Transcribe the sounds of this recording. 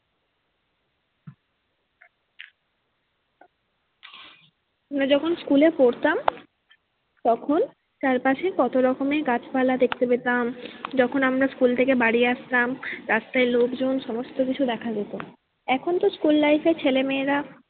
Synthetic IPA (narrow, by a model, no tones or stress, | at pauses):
amɾad͡ʑɔkʰonskulepoɽt̪am | t̪ɔkʰon | t̪aɾpaʃekɔt̪oɾɔkomeɡat͡ɕpalad̪ekʰt̪epet̪amd͡ʑɔkʰonamɾaskult̪ʰekebaɽieaʃt̪amɾast̪aelokd͡ʑonʃɔmost̪okit͡ɕʰud̪ɛkʰadet̪o | ɛkʰont̪oskulːajfet͡ɕʰelemeːɾa